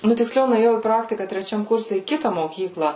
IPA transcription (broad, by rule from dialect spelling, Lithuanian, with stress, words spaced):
ˈnʊ tʲɪkˈsʲlʲɛʊ nʊeːˈjɛʊ iː ˈprɑːktʲɪkɐ tʲrʲɛˈt͡ʃʲɛm ˈkʊrʲsʲɛ iː ˈkʲɪtɐ moːˈkʲiːklˠɐ